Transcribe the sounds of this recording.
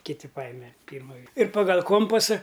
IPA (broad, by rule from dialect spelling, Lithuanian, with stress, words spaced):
kʲɪˈtʲɪ ˈpɑːjɪmʲɛ ˈpʲiːrmɐ ʋʲiɛ ɪr pɐɡɐlʲ ˈkoːmpɐsɐ